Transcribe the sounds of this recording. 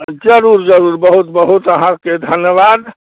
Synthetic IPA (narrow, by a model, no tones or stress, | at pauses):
d͡ʒəɾuɾd͡ʒəɾuɾbəɦut̪bəɦut̪əɦãked̪ʱənjəbad̪